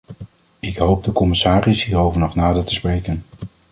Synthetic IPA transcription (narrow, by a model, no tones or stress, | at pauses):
ɪkɦowp̚dəkɔmɪsaːrɪsɦiːɾowvəɹnɔχnaːdəɹtəsprejkən